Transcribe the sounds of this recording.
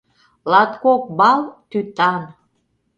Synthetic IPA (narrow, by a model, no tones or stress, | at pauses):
lɑt̪kok̚bɑlt̪yt̪ɑn